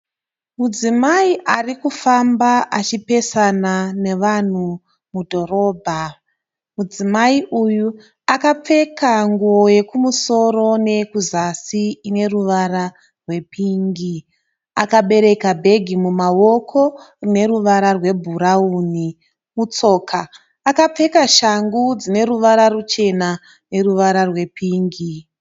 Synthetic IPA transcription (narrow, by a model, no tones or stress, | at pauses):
mud͡zimaiʔarikufambaʔat͡ʃipe̞sanane̞ʋan̤u | mudʱo̞ɾo̞ːbʱa | mud͡zimaiʔuju | akap͡fe̞kaŋɡuo̞je̞kumuso̞ro̞ne̞kuzasiine̞ruʋaɾa | rwe̞piːŋɡi | akaɓe̞ɾe̞kabʱe̞ɡʱimumawo̞kʰo̞ | rine̞ɾuʋaɾarwe̞bʱuɾauːni | mut͡so̞ːkʰaː | kap͡fe̞kaʃaŋɡud͡zine̞ɾuʋaɾarut͡ʃe̞na | ne̞ruʋaɾarwe̞piːŋɡi